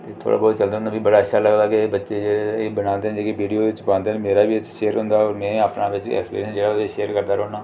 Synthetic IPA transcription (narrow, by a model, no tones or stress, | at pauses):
t̪eːt̪ʰo̰ːɽa̰ːbɔːt̪t͡ʃəld̪aːʊnd̪aːbiːbəɽaːətːʃʰaːləɡd̪aːkebətːʃeːeebənãːnd̪eːnd͡ʒeːkeʋiːɖijoːɪt͡ʃbãːnd̪eːnmeːɾaːbiːt͡ʃʃeːəɾɦʊ̃nd̪aːɔːɾmɛ̃ːaːpnaːʋɪt͡ʃɛ̰ːkspḭːɾiənd͡ʒeːɽaʃeːəɾkəɾd̪aːɾoːnaː